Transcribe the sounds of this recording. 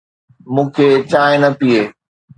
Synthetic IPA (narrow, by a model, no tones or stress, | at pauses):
mũːkʰeːt͡ɕaːɪ̃nɐpieː